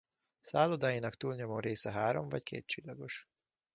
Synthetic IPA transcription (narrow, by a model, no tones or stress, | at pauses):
saːlod̪aːjinɒkt̪uːlɲomoːɾeːsɛɦaːɾo̞ɱvɒckʰḛːt̪̚t͡ʃilːɒɡo̞ʃ